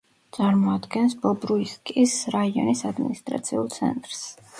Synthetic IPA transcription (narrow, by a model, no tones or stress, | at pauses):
t̪sʼaɾmɔad̪ɡɛnsbɔbɾuiskʼisɾaiɔ̰nisad̪mḭnist̪ʼɾa̰t̪sʰiulˠt̪sʰɛ̰nt̪ʼɾs